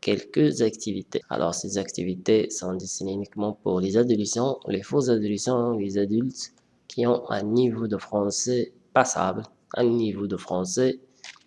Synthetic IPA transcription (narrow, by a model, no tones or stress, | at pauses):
kɛlkəzakt̪ivit̪ḛa̰lʔɔ̰ʁsezakt̪ivit̪esɔ̃d̪est̪ineynikmɑ̃puʁlezad̪olesɑ̃lefozad̪olesɑ̃ɔ̃lezad̪ylt̪ | kʲʰiɔ̃ɛ̰̃nivod̪əfχɑ̃sɛ | pasa̰bl | ɛ̰̃nivod̪əfχɑ̃sɛ